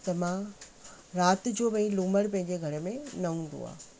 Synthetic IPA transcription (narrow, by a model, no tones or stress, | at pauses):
t̪ɐmã | ɾaːt̪̆d͡ʑoːʋɐ̃ĩluːməɽpɐ̃ɦɪ̃ɲd͡ʑeɡʱɐɾə̆mẽnɐɦũːn̆d̪o̰a̰ː